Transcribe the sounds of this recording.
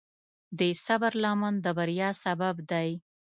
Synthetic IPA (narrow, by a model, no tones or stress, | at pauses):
d̪esabaɾlɑmand̪əbaɾjɑsababd̪aj